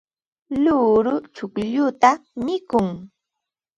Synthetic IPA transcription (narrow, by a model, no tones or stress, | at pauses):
lʊɾʊt͡ʃʊkʎʊt̪amɪkʊŋ